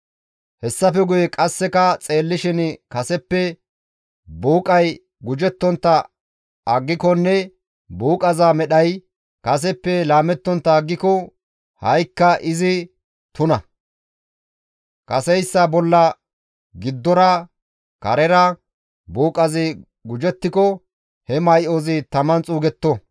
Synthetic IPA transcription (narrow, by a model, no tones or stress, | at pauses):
hɛsːɐfɛɡʊjɛkʼɐsːɛkɐt͡sʼe̞ːlːɪʃɪnkɐsɛpːɛ | buːkʼɐj | ɡʊd͡ʒɛt̪ːɔnt̪ːɐ | ɐɡːɪkɔnːɛ | buːkʼɐzaːmɛɗɐj | kɐs̬ɛpːɛlaːmɛt̪ːɔnt̪ːɐːɡːɪkɔ | hɐjkːɐʔɪzɪ | t̪ʊnɐ | kɐsɛjsːɐbɔlːɐ | ɡɪd̪ːɔɾɐ | kɐɾɛɾɐ | buːkʼɐzɪ | ɡʊd͡ʒɛt̪ːɪkɔ | hɛmɐjʔoːzɪt̪ɐmɐnt͡sʼuːɡɛt̪ːɔ